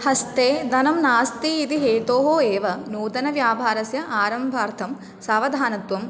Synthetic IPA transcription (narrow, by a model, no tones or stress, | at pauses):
hɐst̪eːd̪ɐnɐmnaːst̪iːd̪iɦeːʈoːɦoːeːʋɐnuːd̪ɐnɐʋjaːbʱaːɾɐsjɐʔaːɾɐmbʱaːɾt̪ʰɐm | saːʋɐd̪ʱaːnɐt̪ʋɐm